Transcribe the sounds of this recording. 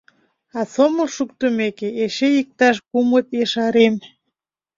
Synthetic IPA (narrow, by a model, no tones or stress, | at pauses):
ɑsoməlʃuk̚t̪əmekeeʃejik̚t̪ɑʃkumət̪jeʃɑɾem